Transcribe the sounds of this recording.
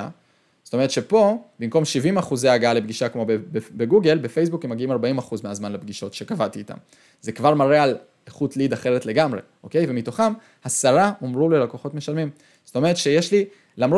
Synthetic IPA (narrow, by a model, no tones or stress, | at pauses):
a | zotoe̞ʁet̪ʃe̞po̞bimko̞mʃivimaχuzeaɡaalebɡiʃakmo̞bebeɡuɡe̞lbefe̞jsbukemaɡiimaʁbaimaχuzmeazmanlebɡiʃo̞tʃekavat̪iːta̰m | ze̞kvaʁmaʁeal | eχutlid̪aχe̞ʁetle̞ɡamʁe̞̰ʔo̞ke̞jve̞mito̞χam | hasaʁaʔo̞mʁulelako̞χo̞tme̞ʃalmim | z̥ot̪o̞me̞ʁet̪ʃejeʃli | lamʁo